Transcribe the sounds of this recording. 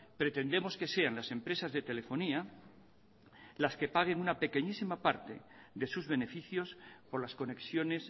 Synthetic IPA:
pɾe̞t̪e̞nd̪e̞mo̞ske̞se̞anlase̞mpɾe̞sazðe̞t̪e̞le̞fo̞nia | laske̞paɣ̞e̞ŋunape̞ke̞ɲisimapaɾt̪e̞̰ðe̞suzβe̞ne̞fiθjo̞spo̞ɾlasko̞ne̞ksjone̞s

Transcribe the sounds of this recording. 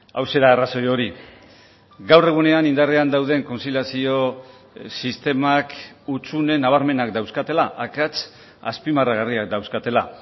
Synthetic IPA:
awse̞ɾaːraso̞jo̞ɾi | ɡawre̞ɣ̞une̞anind̪areand̪awð̞e̞ŋko̞nsiljasio̞ | sist̪e̞makut͡sune̞naβ̞aɾme̞nakd̪awskat̪e̞laʔakat͡s | a̰spimaraɣariak̚d̪awskat̪e̞la̰

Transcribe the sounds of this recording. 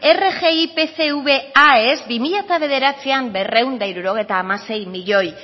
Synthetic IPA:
e̞re̞ɣe̞ipe̞se̞uβe̞ae̞zbimiʎat̪aβ̞e̞ðe̞ɾat͡siambe̞re̞wnd̪aiɾuɾo̞ɣ̞e̞jt̪aːmase̞jmiʎo̞j

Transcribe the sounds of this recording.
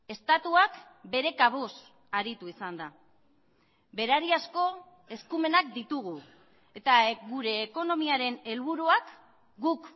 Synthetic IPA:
e̞st̪at̪uak | be̞ɾe̞kaβ̞os | aɾit̪uisand̪a | be̞ɾaɾiasko̞ | e̞skume̞nakd̪it̪uɣ̞u | e̞t̪aeɣuɾe̞ːko̞no̞miaɾe̞ne̞lβuɾuak | ɡuk

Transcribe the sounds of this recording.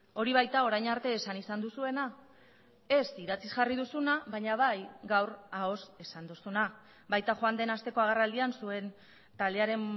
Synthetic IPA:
o̞ɾiβajt̪ao̞ɾajɲaɾt̪e̞ːsanisand̪usue̞na | e̞siɾat͡sisʝarið̞usunaβaɲaβajɡawrao̞se̞sand̪usuna | bajt̪axoand̪e̞nast̪e̞ko̞aɣ̞arald̪iansue̞n | t̪ald̪e̞aɾe̞n

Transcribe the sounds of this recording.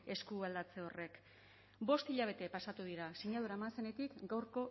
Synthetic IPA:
e̞skuald̪at͡se̞o̞re̞k | bo̞st̪iʎaβ̞e̞t̪e̞pasat̪uðiɾasiɲaðuɾaemanse̞ne̞t̪ikɡawɾko̞

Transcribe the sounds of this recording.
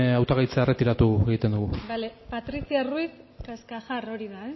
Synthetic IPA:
awt̪aɣajt͡seaeret̪iɾat̪ueɣ̞it̪end̪uɣubalepat̪ɾisiaruis | kaskaxaro̞ɾiðae

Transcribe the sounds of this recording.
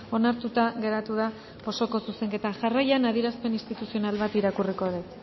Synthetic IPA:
o̞naɾt̪ut̪aɣe̞ɾat̪uð̞a | o̞so̞ko̞suse̞ŋke̞t̪aʝarajanaðiɾaspe̞nist̪it̪usio̞nalβat̪iɾakuriko̞ðek

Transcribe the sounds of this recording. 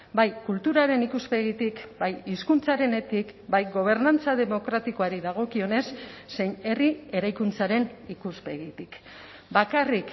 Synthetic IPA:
bajkult̪uɾaɾe̞nikuspe̞ɣit̪ikbajiskunt͡saɾe̞ne̞t̪ikbajɡo̞β̞e̞ɾnant͡saðe̞mo̞kɾat̪iko̞aɾiðaɣ̞o̞kio̞ne̞sːe̞jne̞rie̞ɾajkunt͡saɾe̞nikuspe̞ɣit̪ik | bakarik

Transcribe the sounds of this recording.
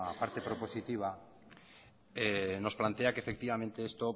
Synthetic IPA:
paɾt̪e̞pɾo̞po̞sit̪iβ̞a | eno̞splant̪e̞akefe̞kt̪iβamẽ̞nt̪eest̪o

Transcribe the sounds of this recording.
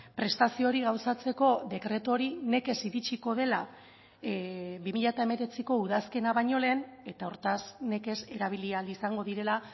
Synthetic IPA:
pɾe̞st̪asio̞ɾiɣ̞awsat͡se̞ko̞ðe̞kɾe̞t̪o̞ɾine̞ke̞siɾit͡ʃiko̞ð̞e̞la | βimiʎat̪ae̞me̞ɾe̞t͡siko̞uðaske̞naβaɲo̞le̞ːne̞t̪aoɾt̪asne̞ke̞se̞ɾaβ̞ilialisaŋɡo̞ðiɾe̞la

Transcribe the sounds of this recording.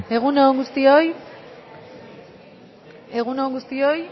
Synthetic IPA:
e̞ɣ̞unoŋɡust̪ioj | e̞ɣunoŋɡust̪io̞j

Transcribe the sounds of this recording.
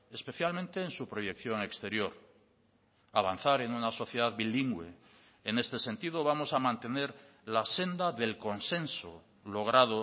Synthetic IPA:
e̞spe̞θjalmẽnt̪e̞ːnsupɾo̞je̞kθjo̞ŋe̞kst̪e̞ɾjoɾ | aβ̞an̟θaɾe̞nunaso̞θjeðaðβiliŋɡweː | ne̞st̪e̞sẽ̞nt̪iðoβ̞amo̞samãnt̪e̞ne̞ɾ | lase̞nd̪aðe̞lko̞nsẽ̞nso | lo̞ɣ̞ɾaðo

